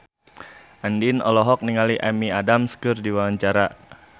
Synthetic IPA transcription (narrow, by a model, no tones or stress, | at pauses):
ʔandinɔlɔɦɔk̚niŋaliʔamiadamskɨrdiwaaɲt͡ʃaɾa